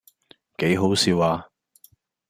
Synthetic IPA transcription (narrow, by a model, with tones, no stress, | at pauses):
ke˨˥jɦo˨˥wsiː˨˧waː˧